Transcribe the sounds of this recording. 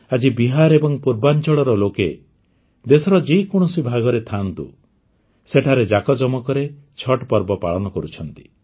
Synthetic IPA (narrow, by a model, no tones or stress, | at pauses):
ad͡ʒibiɦaɾebɔŋpuɾbant͡ʃɔɭɔɾɔloke | d̪esɔɾɔd͡ʒeikuɽ̃ɔsibʱaɡɔɾet̪ʰant̪ṵ | seʈʰaɾed͡ʒakɔd͡ʒɔmɔkɔɾet͡ʃʰɔʈpɔɾbɔpaɭɔnɔkɔɾut͡ʃʰɔnt̪i̥